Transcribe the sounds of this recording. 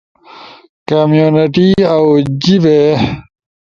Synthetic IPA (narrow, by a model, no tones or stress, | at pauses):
kamjuːniʈiawd͡ʑiʋe